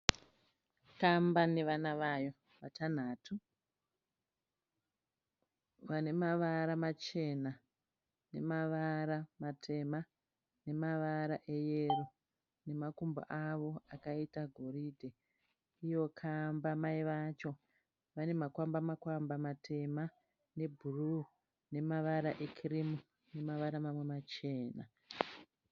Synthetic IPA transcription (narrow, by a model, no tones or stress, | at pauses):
kambaneʋanaʋajo̞ | ʋatʰan̤aːtʰu | ʋane̞maʋaɾamat͡ʃe̞na | ne̞̰maʋaɾamatʰe̞ma | ne̞maʋaɾaʔe̞je̞ro | ne̞makumba̰ʔaʋo̞akaitaɡʱo̞ridʱe̞ | ijo̞kʰambamaiʋat͡ʃo̞ | ʋane̞makwambamakwambamatʰe̞ma | ne̞bʱuru | ne̞maʋaɾaʔe̞kʰirimu | ne̞maʋaɾamamwe̞mat͡ʃe̞ːna̰